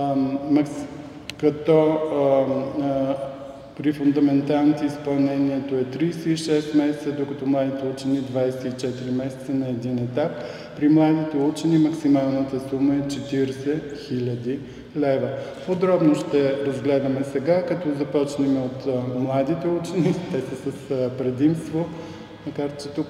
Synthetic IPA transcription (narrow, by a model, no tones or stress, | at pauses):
mɐks | kɐt̪ɔ | pɾifund̪ɐmɛnt̪alˠnit̪ɛispɐlˠnɛniɛt̪oɛt̪ɾijsɛiʃɛst̪mɛsɛ̥t̪səd̪okɐt̪ɔmlˠad̪it̪ɛut͡ʃɛnid̪vajsɛit͡ʃɛt̪iɾimɛsɛ̥t̪sənɐɛd̪inɛt̪apː | ɾimlˠad̪it̪ɛut͡ʃɛnimɐksimalˠnət̪əsuməɛt͡ʃɛt̪iɾsɛxilʲəd̪i | lɛvə | pod̪ɾɔbnoʃt̪ɛɾɐzɡlɛd̪əmɛsɛɡakɐt̪ɔzɐpɔt͡ʃnɛmɛot̪mlˠad̪it̪ɛut͡ʃɛnit̪ɛsəsəspɾɛd̪imst̪vo | mɐkaɾt͡ʃɛt̪uk